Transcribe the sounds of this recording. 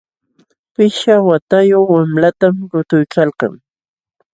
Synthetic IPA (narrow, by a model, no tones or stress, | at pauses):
pɪʃawat̪ajoχwamlat̪amɾʊt̪ʊjkɑlqɑ̰ŋ